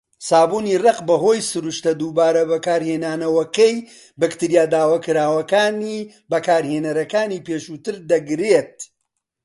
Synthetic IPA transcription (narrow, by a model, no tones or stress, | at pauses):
saːbuːnirɐqbɐɦo̞ːjsɨɾuʃt̪ɐd̪uːbaːɾɐbɐkaːɾheːnaːnɐwɐkɐj | bɨkt̪iɾijaːd̪aːwɐkɨɾaːwɐkaːni | bɐkaːɾheːnɐɾɐkaːniːpeːʃuːt̪ɨɾd̪ɐɡɾet̪̚